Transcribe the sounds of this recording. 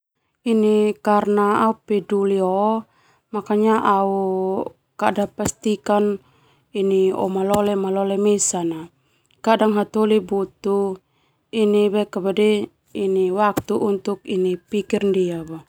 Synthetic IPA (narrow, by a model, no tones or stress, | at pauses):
inikarnaaupɛduliɔ | makaɲaʔau | kadapast̪ikan | iniɔ̰malɔlɛmalɔlɛmɛsana | kadaŋɦat̪olibut̪u | inibɛkabadɛ | iniwak̚t̪uʔːnt̪uk̚inipikirndiaba